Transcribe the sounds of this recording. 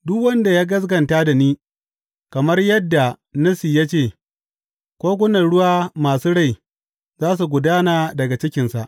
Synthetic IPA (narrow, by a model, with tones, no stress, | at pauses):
dʊ˦kwɐ˦nda˨jaː˦ɡɐ˦s̬ɡɐ˨ntaː˦da˨niː˦ | kɐ˨mɐ˦rjɐ˦dːa˨nɐ˦siː˨ja˦t͡ʃeː˦˨ | kʷoː˦ɡʷʊ˦nɐ˨rɽʊ˦waː˦maː˨suː˦ɽa˦˨j | zaː˦s̬u˨ɡʷʊ˨daː˦naː˨dɐ˨ɡa˨t͡ʃɪ˦kʲɪ˨nsa˨ʔ